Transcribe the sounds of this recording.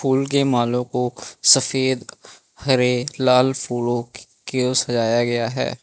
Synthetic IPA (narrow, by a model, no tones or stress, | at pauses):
fʰuːlk̬emaːlõkosəfeːd̪ | hɐɾelaːlpʰuːlõ | keosɐd͡ʒaːjaɡɐjaɦɛ̰ː